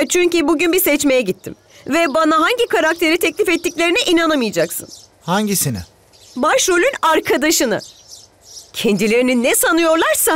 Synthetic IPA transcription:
t͡ʃʰyɲcybuɟynbisɛt͡ʃme̞jɛɟit̪ʰːḭm | vɛbanaɦaɲɟikaɾak̚t̪ʰe̞ɾit̪ʰɛclʲifɛt̪ːicʲlʲe̞ɾinɛʔinanamɯjad͡ʒaksɯ̰n | haɲɟisinɪ̰ | baʃɾo̞lʲynaɾkʰad̪aʃɯnɯ̰ | cʰɛnd̪ilʲe̞ɾininːɛsanɯjo̞ɾlˠaɾsa

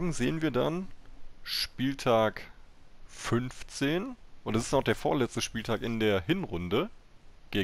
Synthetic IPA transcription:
ɡŋ̩zeːənviːɐda̰n | ʃpiːltʰaːk | fʏnft͡seːnʔʊntɛsɪ̥staʊχd̥eːɐfoːɐlɛt͡stəʃpiːltʰaːkɪndeːɐhɪnʁʊndəɡ̥eː

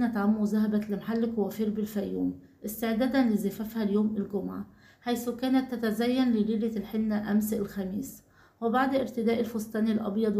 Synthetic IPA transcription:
næt̪ʕamːuzæɦæbælɪmħalːɪkwæfiːɾbɪlfæjːṵːm | ʔɪst̪eʕd̪æːd̪ænlɪzɪfæfhæljoːmɪlɡomʕa | ħajsukæːnæt̪ːæt̪æzæjːænlɪliːlælħenːæʔæmsʔɪlxæmiːs | webaʕd̪ʔɪɾt̪ɪd̪æːʔɪlfost̪ˤæːnɪlʔɑ̰bjɑd̪ˤ

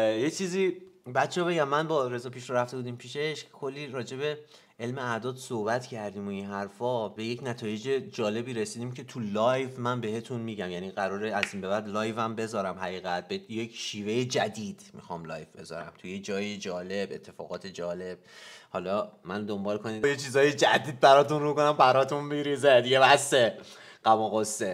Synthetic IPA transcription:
jet͡ʃʰiːziːbæt̪t͡ʃʰːɛːbe̞ɟæmːænbɒːɾe̞zɒːpʰiːʃɾoɾæft̪e̞buːd̪iːmpʰiːʃe̞ʃkʰo̞lːiːɾɒːd͡ʒe̞be̞ | e̞lmeæd̪ɒːd̪sohbæt̪cʰæɾd̪iːmoinɦæɾfɒːbe̞jecnæt̪ʰɒːje̞d͡ʒed͡ʒɒːle̞biːɾe̞siːd̪iːmcʰe̞t̪ʰulɒjvmænbe̞ɦe̞t̪ʰunmiːɟæmjæniːɣæɾɒːɾeæziːnbe̞bæd̪lɒːjvæmbe̞zɒːɾæmhæɣiːɣæt̪̚beje̞kʰʃiːve̞jed͡ʒæd̪iːd̪̥mḭxɒ̰mlɒ̰ːjvbe̞zɒ̰ːɾæ̰mt̪ʰujed͡ʒɒːjed͡ʒɒːle̞be̞̰t̪ʰːe̞fɒ̰ːɣɒːt̪ʰe̞d͡ʒɒːle̞b̥̚hɒlɒmænd̪o̞mbɒːlkʰo̞niːd̪jet͡ʃʰiːzɒːjed͡ʒæd̪iːd̪̚bæɾɒːt̪unrukonæmbæɾɒt̪ʰunmiɾized̪iɟevæse | ɢ̥æmɒɣosːe

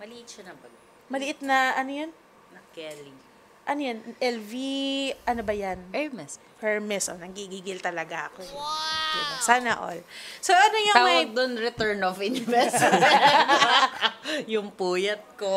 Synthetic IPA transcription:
mɐliɪt͡ʃɐnɐbɐɡ | mɐlɪʔɪt̪̚nɐʔɐnojon | nɐkɛlɪŋ | ʔɐnojonʔɛlviʔɐnobɐjanɛmɛs | pɛɹmɛsonɐɡiɡiːɡɪlt̪ɐlɐɡaɐkod̪ɪbasaːnɐʔo̰lsoʔɐnojaaɐd̪ʊnɾɛt̪ɛɹnofɪnɪvɛ | jʊŋpuːjɐt̪̚ko

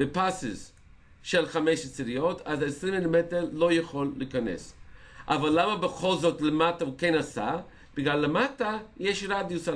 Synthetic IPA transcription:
b̥epasis | ʃelχameʃt͡siɾiotʰazesɾimːilimeteʁlojaχolːikanḛsʔa̰valːamabeχo̞lzotlemataukenasa̰ | b̥iɡlalːematajeʃɾad̪josa

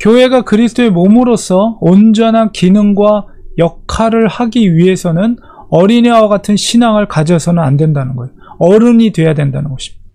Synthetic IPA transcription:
kjoɦe̞ɡakɯɾisʰɯ̥t͈ʰoe̞momɯɾosʰʌond͡ʑʌnɦankinɯŋɡwa | jʌkʰaɾɯɭhaɡiɥiɦe̞sʰʌnɯn | ʌɾiɲewaɡatʰɯnɕʰinaŋɯɭkad͡ʑʌsʰʌnɯnandwe̞ndanɯnɡʌjoʌɾɯɲidwe̞jadwendanɯnɡʌɕʰi̥m

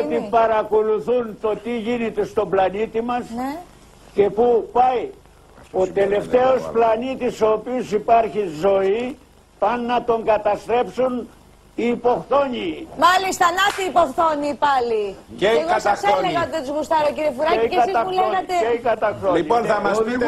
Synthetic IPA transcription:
ot̪ipɐɾɐko̞luθunt̪o̞t̪iʝine̞t̪e̞st̪o̞blɐnit̪imɐs | ce̞pupɐj | o̞t̪e̞le̞ft̪e̞o̞splɐnit̪iso̞ːpiosipɐɾçizo̞i | pɐnːɐt̪o̞ŋɡɐt̪ɐst̪ɾe̞psun | iːpo̞xθo̞ɲimɐlist̪ɐnɐt̪iːpoxθoɲipɐlieeɣɐɐsleɣɐt̪et̪uzɣust̪ɐɾociɾiefuɾɐeieɐɐuleoɐt̪eeikɐt̪ɐxθolionɐmɐ

